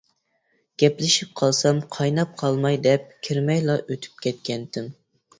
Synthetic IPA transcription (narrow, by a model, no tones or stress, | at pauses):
ɡ̥ʲɛplɪʃip̚qʰɑlˠsɑmqʰɑjnɑp̚qʰɑlˠmɑjd̪ɛp̚kʲʰiɾmɛjlˠɑʔøt̪ʰy̥p̚kʲʰɛt̪̚kʲɛnt̪ʰɪm